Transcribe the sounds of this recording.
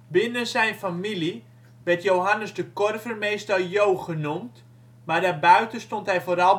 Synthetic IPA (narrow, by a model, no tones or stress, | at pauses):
bɪnəzɛjnfamili | ʋɛrtjowɦanəsdəkɔrvərmeːstɔlˠjowχənumt | mardaːrbœɥtəstɔntɦɛjvoːɾɑlˠ